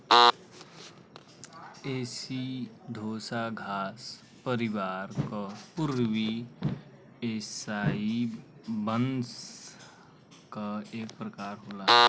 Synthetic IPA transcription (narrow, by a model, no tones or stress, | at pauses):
eːsid̪ʱoːsaɡʱaːs | pəɾiʋaɾkəpuɾʋi | esaibəns | kaeːk̚pɾəkaːɾɦoːla